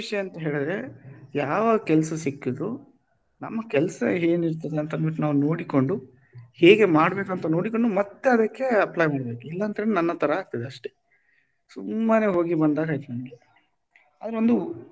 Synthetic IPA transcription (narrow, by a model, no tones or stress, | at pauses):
ʂɐjɐɐnt̪ɐɦeːɭid̪ɾe̞jaːʋaɐɡkɛlsɐsikːid̪ɾu | nɐ̰mːɐkɛlɐsɐeːniɾt̪ɐd̪eɐnt̪ɐnʋiʈːnaːʋuno̞ːɽiko̞ɳɖu | heːɡe̞maːɽbe̞ːkɐnt̪ɐno̞ːɽiko̞ɳɖumɐt̪ːe̞ɐd̪ɐkːe̞ɐplaːjmaːɽbe̞ːkuilːɐːnt̪ɐelnɐnːɐt̪ʰɐɾɐaːk̚t̪ɐd̪eɐʂʈe | sumːɐne̞ːɦoːɡibɐnd̪aːɡaːjt̪ɐnɐɳɡi | aːd̪ɾo̞nd̪u